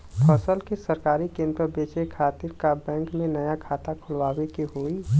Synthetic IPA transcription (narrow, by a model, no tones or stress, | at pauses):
pʰəsəlkisəɾkaːɾikẽːnd̪ɾəbeːt͡ʃekʰaːt̪ɪɾkabɛ̃ːŋkmẽnɐjakʰaːt̪akʰʊlʋaːwekiɦoːiː